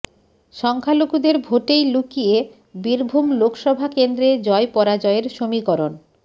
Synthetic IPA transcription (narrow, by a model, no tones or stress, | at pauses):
ʃɔŋkʰalokud̪eɾbʱoʈejlukije | biɾbʱumlokʃɔbʱakend̪ɾed͡ʑɔepɔɾad͡ʑɔeɾʃomikɔɾon